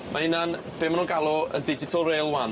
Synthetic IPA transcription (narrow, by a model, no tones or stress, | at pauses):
mʔaɪnan | b̥eːmanuːɡalˠɔə̰ndɪd͡ʒɪtʰɔlˠrejlˠwan